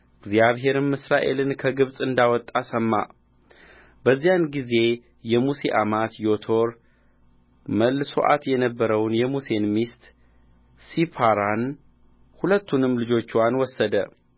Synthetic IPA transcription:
ʔɨɡzjaβɦe̞ɾɨmːɨsɾaʔe̞lɨnkʰəɡɨβsʼɨnd̪awɔt̪ʼːasəmːa̰ | bəzːijanɡize̞ | jɛmuseʔamat̪jo̞t̪ʰo̞ɾ | məlːso̰ʔa̰t̪jɛnəbːəɾəwnjɛmuse̞nmist̪ | sipʰaɾan | hulət̪ːunɨmːlɨd͡ʒo̞t͡ʃːwanwɔsːəd̪ə

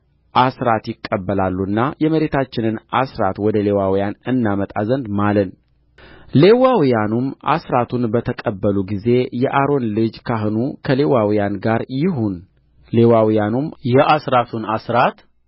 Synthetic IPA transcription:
ʔasɾat̪jɪkʼːəbːəlalːuɨnːajɛməɾe̞t̪ʰat͡ʃːɪnɨnʔasɾat̪wɔd̪əle̞wawijanɨnːamət̪ʼazənd̪malən | le̞wawjanumʔa̰sɾat̪ʰunbət̪ʰəkʼəbːəluɡize̞jɛʔaɾo̞nlɨd͡ʒkʰaɦɨnukʰəle̞wawijanɡaɾjɪɦun | le̞wawijanumjɛʔasɾat̪ʰunasɾat̪

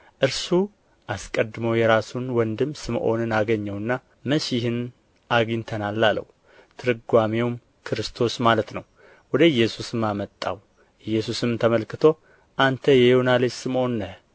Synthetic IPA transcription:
ʔɨɾsu | ʔaskʼəd̪ːɨməwjɛɾasunwɔnd̪ɨmːsɨmʔo̞̰nɨnaɡəɲːɛwɨnːa | məʃɪhɨn | ʔaɡint̪ʰənalːalə̰wu | t̪ʰɨɾɨɡʷamewm | kʰɨɾɨst̪ʰo̞smalət̪nəw | wɔd̪əɨjːɛsusɨmːamət̪ʼːa̰w | ɨjːɛsusɨmt̪ʰəməlkɨt̪ʰo̞ | ʔant̪ʰəjɛjunalesɨmʔo̞nːə

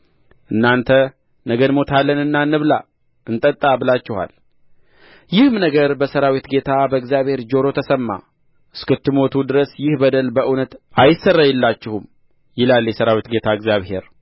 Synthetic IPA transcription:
ʔɨnːant̪ʰə | nəɡənmo̞t̪ʰalːənɨnːanːɨβla | ɨnt̪ʼət̪ʼːabɨlat͡ʃːɪha̰l | jɪhɨmnəɡəɾbəsəɾawit̪ɡe̞t̪ʰabəɨɡzjaβhe̞ɾd͡ʒo̞ɾo̞t̪ʰəsəmːa̰ | ʔɨskɨt̪ːɨmo̞t̪ʰud̪ɨɾəsjɪhbəd̪əlbəʔɨnət̪ajɪsərːajɛlːat͡ʃːɪhum | jɪlaljɛsəɾawit̪ɡe̞t̪ʰaɨɡzjaβhe̞̰ɾ

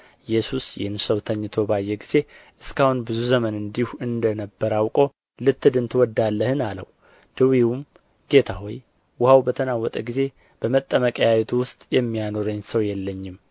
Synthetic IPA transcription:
jɛsusjɛ̰hɨnsəwt̪ʰəɲːt̪ʰo̞bajːɛɡize̞ʔɨskahunbɨzuzəmənɨnd̪ihuɨnd̪ənəbːəɾawkʼo̞ | lɨt̪ːɨd̪ɨnt̪ʰɨwɔd̪ːalːəhɨnalə̰w | d̪̥ɨwiwum | ɡe̞t̪ʰaɦoj | wʊhawbət̪ʰənawɔt̪ʼəɡize̞ | b̥əmət̪ʼːəməkʼəjajɛt̪ʰuwʊst̪ʼjɛmːijano̞ɾəɲːsəwjɛlːəɲːɪm

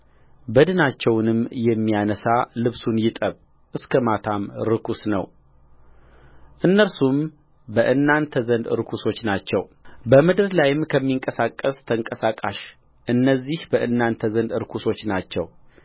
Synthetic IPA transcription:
bəd̪ɨnat͡ʃːɛwnɨmjɛmːijanəsalɨβsunjɪt̪ʼəβ | ʔɨskʰəmat̪ʰamɾɨkusnə̰w | ʔɨnːəɾsum | bəʔɨnːant̪ʰəzənd̪ɨɾɨkʰuso̞t͡ʃːnat͡ʃːɛ̰wbəmɨd̪ɨɾlajɪmkʰəmːiŋkʼəsakʼːəst̪ʰəŋkʼəsakʼaʃ | ʔɨnːəzːihbəʔɨnːant̪ʰəzənd̪ɨɾkʰuso̞t͡ʃːnat͡ʃːɛ̰w

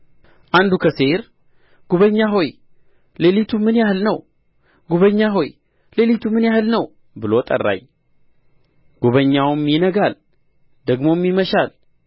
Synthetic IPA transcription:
ʔand̪ukʰəse̞ɾ | ɡ̥uβəɲːaɦo̞j | le̞lit̪ʰumɨnjahɨlnəw | ɡuβəɲːaɦo̞j | le̞lit̪ʰumɨnjahɨlnəw | bɨlo̞t̪ʼə̰rːa̰j | ɡ̥uβəɲːawmjinəɡal | d̪əɡmo̞mːiməʃal

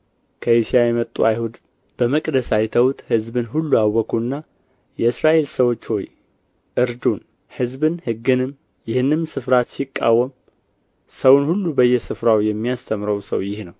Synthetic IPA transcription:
kʰəisijajɛmət̪ʼːṵajhud̪ | b̥əməkʼd̪əsajt̪ʰəwt̪hɨzbɨnɦulːuawːəkʰuɨnːa | jɛɨsɾaʔe̞lsəwo̞t͡ʃːho̞̰j | ʔɨɾd̪un | hɨzbɨnhɨɡɨnɨm | jɪhɨnːɨmsɨfɾat̪sikʼːa̰wːəm | səwnhulːubəjːɛsɨfɾawjɛmːijast̪ʰəmɾəwsə̰wjɪhnəw

